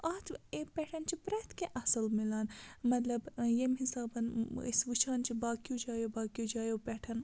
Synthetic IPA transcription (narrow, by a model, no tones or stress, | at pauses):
aːt̪ʰepɛːʈʰɐnt͡ʃʰipɾɐt̪keʔɐsɐlmilaːnmɐt̪lɐbjemɦisaːbɐnḭsʋut͡ʃʰaːnt͡ʃʰibaːkijud͡ʒaːjobaːkijud͡ʒaːjopɛːʈʰɐn